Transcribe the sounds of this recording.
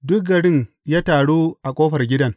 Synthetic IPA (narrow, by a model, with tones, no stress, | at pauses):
dʊ˦k̚ɡɐ˨ɽɪ˦ŋ | jaː˦taː˨ɽuː˦ʔa˨kʷʼoː˦ɸɐ˨rɡʲɪ˦dɐ˦˨ŋ